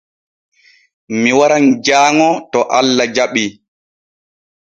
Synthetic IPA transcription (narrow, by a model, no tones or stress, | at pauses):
miwaɾand͡ʒaːŋɔtɔʔalːad͡ʒaɓi